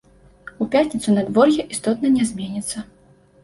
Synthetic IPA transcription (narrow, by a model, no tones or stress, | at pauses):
upʲat̪ʲnʲit̪sunɐd̪vɔrjʲɛʔist̪ɔt̪nɐnʲɛzʲmʲenʲit̪sːɐ